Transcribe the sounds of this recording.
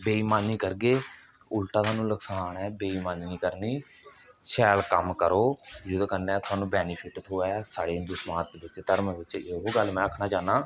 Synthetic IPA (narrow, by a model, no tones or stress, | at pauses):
beːiːmaːniːkəɾɡeː | ʊlʈãːt̪aːnũːləksaːɳɛːbeːiːmaːnniːkəɾniː | ʃɛːlkəmkəɾoːd͡ʒʊd̪kəɾnɛːt̪ʰʊaːnũːbɛːniːpʰɪʈt̪ʰoːɛːsaːɽeːd̪ʊsmãːt̪d̪ːbɪt͡ʃt̪əɾmʋɪt͡ʃeɦoːɡəlmɛ̃ːəkʰnaːt͡ʃaːnaː